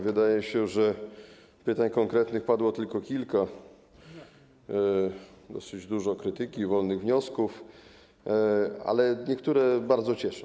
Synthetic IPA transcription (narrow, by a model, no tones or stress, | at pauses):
vɘd̪ajɛɕɛʐɛ | pɘt̪aɲkɔŋkɾɛt̪nɘxpad̪wɔt̪ɘlkɔkʲilka | d̪ɔsɘd͡ʑd̪uʐɔkɾɘt̪ɘkʲivɔlnɘɣvɲɔskuf | a̰lɛɲɛkt̪uɾɛbaɾd̪zɔt͡ɕɛʂɔ̃